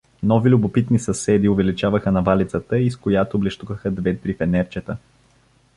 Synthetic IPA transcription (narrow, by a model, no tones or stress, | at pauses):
nɔvilʲʊbopit̪nisɐsɛd̪iʊvɛlit͡ʃavəxənɐvalit̪sət̪əiskojat̪oblɛʃt̪uvəxəd̪vɛt̪ɾifɛnɛɾt͡ʃət̪ə